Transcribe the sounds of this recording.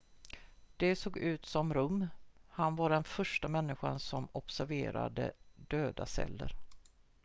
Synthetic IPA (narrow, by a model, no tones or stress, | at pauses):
d̪̥ɛsoːɡʉ̟ːt̪sɔmɾɵmːhanvaɖɛnfœʂʈamɛnːɪɧansɔmɔpsæɾvḛːɾa̰d̪ə̰d̪øːd̪asɛ̰lːə̰ɾ